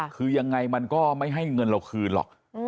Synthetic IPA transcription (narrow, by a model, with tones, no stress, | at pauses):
kʰɯː˧ja˧ŋːa˧jma˧nkɔː˥˩ma˥˩jɦa˥˩jŋɤ˧nɾa˧wkʰɯː˧nlɔ̰˨˩k̚